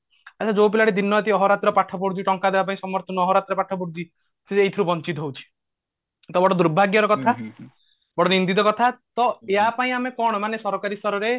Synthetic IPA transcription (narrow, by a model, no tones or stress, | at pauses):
at͡ʃʰad͡ʒowp̬ilaɽid̪inːɔjɔt̪iɔɦɔɾat̪ɾɔpaʈʰɔp̬ɔɽd͡ʒ̪iʈɔŋkad̪ebapaĩsɔmɔɾt̪ʰɔnɔːɦɔɾat̪ɾpaʈʰɔpɔɽud͡ʒ̪i | seejt̪ʰiɾubɔnt͡ʃit̪ɔɦowt͡ʃʰi̥ | t̪ɔbɔɽɔd̪uɾbʱaɡjɔɾɔkɔt̪ʰa | bɔɽɔnind̪it̪ɔkɔt̪ʰat̪ɔeɦapaĩamekɔɽ̃ɔmanesɔɾkaɾisɔɾɔɾe